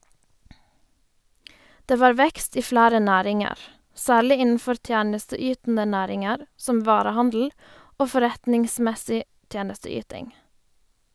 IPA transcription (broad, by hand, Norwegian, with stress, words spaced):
ˈdeː ˈʋɑːɾ ˈʋɛkst ˈiː ˈflæːɾə ˈnæːɾɪŋəʁ ˈsæːɭɪ ˈɪnn̩ˌfɔɾ ˈtjæːnəstəˌyːtn̩ə ˈnæːɾɪŋəɾ ˈsɔm ˈʋɑːɾəˌhɑndl̩ ˈoː fɔˈɾɛtnɪŋsmɛsɪ ˈtjeːnəstəˌyːtɪŋ